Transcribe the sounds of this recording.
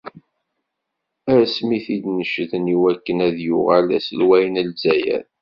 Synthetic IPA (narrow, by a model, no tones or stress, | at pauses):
æsmiθid̪nəʃðəniwækːənæðjʊʁælæ̰səlwæjənəlzæjæ̰ɾ